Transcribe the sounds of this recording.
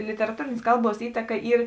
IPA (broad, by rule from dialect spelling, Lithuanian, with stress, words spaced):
lʲɪtʲɛrɐˈtuːrʲeːnʲeːs ˈkɐlˠˌbuɔs ˈiːtɐkɐ ˈiːr